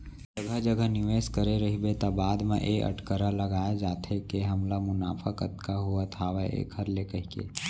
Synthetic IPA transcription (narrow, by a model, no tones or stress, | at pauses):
d͡ʒəɡʱəɦd͡ʒəɡʱənɪʋeːskəɾeɾɐɦibet̪abaːd̪mḛ̃ʔeʔə̰ʈkəɾaləɡaːed͡ʒaːt̪ʰekeɦɐmlamʊna̰ːfʰəkət̪kaɦuat̪ʰaʋaḛkʰəɾlekəɦikḛː